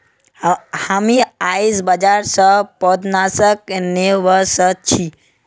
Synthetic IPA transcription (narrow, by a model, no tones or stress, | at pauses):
hamiaisbəd͡ʒaɾsəpɔd̪nasəkneʋəsət͡ʃʰi